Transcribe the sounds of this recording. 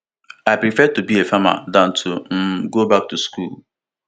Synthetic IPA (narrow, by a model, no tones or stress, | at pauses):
aɪpɾifɛtubiefama̰dãn̩tʰum̩ɡobak̚tuskṵːl